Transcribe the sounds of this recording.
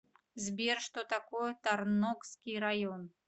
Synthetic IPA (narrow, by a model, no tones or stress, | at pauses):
zʲbʲerʂt̪ɔt̪akɔjɛt̪arnɔkskʲijɾajɔn